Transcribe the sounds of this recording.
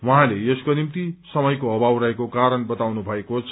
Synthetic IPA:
wʌɦãleeskonimt̪isʌmʌjkoʌbʱawɾʌekokaɾʌnbʌt̪awnubʱʌekot͡sʰ

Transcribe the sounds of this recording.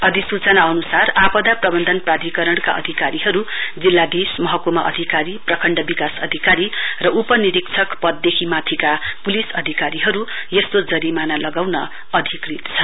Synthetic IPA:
ʌd̪isut͡sʌnaʌnusarapʌd̪aprʌbʌnd̪ʱʌnprad̪ʱikʌɾʌɽka̰ʌ̰d̪ʱikaɾiɦʌɾud͡zilːad̪esmʌɦʌkumaʔʌ̰d̪ʱikaɾiprʌkʰʌɳɖʌbikasʌd̪ʱikaɾirʌʔupʌniɾikt͡sʰʌkpʌd̪ːjekʰimat̪ʰikapulisʌd̪ʱikaɾiɦʌɾu | jʌst̪od͡zʌɾimanalʌɡawnʌ | ʌd̪ʱikrit̪t͡sʰʌ

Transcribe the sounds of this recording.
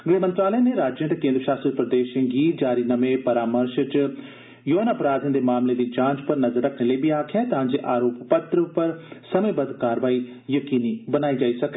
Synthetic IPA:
ɡɾeːmə̃nt̪ɾaːləjãːneːɾaːd͡ʒjə̃t̪ekẽːnd̪ɾəʃaːst̪ɾipɾəd̪eːʃɡiːt̪̚d͡ʒaːɾiːnəmeːpəɾaːməɾʃt͡ʃ | joːnaəpɾaːd̪ãːnd̪eːmaːmled̪iːd͡ʒãːɲt͡ʃpəɾnəzəɾəkʰneːləibiːaːkʰjaːt̪ɦãːd͡ʒeːʔaːɾoːppət̪ɾəpəɾsəməbəd̪kaːɾʋaːiː | jəkiːniːbənaːid͡ʒaːiːsəke

